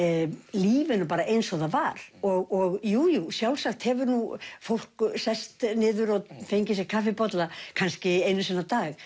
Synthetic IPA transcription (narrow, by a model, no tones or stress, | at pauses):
liːvɪnʏpaːɾaʔejnsɔðavaɾ̥ɔɣɔɣjuːjusjawlsaxt̪hɛvʏɾnufowl̥ksɛst̪nɪːðʏɾɔðfejɲcɪsjɛxkʰafɪpɔt̪lakʰanscɪeːjnʏsɛnːat̪aːɣ